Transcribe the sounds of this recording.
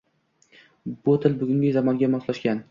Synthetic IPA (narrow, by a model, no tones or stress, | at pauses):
bʊt̪ʰɪlbʊɡʲʊŋɡʲɪzamɒnɡʲamɒslaʃkʲan